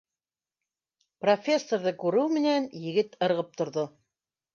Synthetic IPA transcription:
profʲe̞sːoɾðɤkʉɾɘwmɘ̆nænjɘ̆ɡɘt̪ɤ̆ɾʁɤp̚t̪ŏɾðo

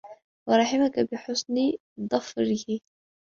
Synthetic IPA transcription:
wɑɾˤɑħɪmakabɪħʊsni | d̪ˤɑfɾɪhi

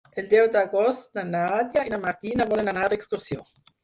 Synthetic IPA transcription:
eld̪ewd̪aɡost̪nanad̪jainamaɾt̪inaβolenanad̪eksk̪uɾsjo

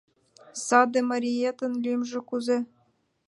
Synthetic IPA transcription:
sɑd̪ĕmɑɾʲiet̪ə̆nlymʒĕkuze

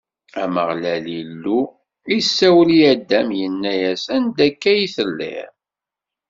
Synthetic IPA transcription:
æmə̰ʁlælilːu | isːæwəliæd̪ːæmjənːæjæsænd̪ækːæjiθəlːḭɾ

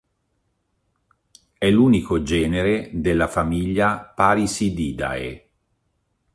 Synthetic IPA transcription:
ɛlːuːnikod͡ʒɛːneɾed̪elːafamiʎːapaɾisid̪iːd̪a̰ḛ

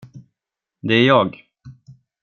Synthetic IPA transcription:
d̪ɛæɾjɑːɡ

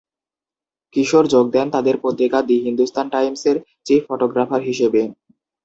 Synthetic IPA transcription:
kiʃoɾd͡ʑoɡ̚d̪ɛnt̪ad̪eɾpɾot̪ːɾikad̪iɦind̪ust̪ʰanʈajmseɾ | t͡ɕifɔʈoɡɾafaɾɦiʃebe

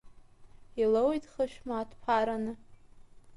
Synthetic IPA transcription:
ilowjtʰʼχəʃᶣmaːtʰpʰaɾanɨ

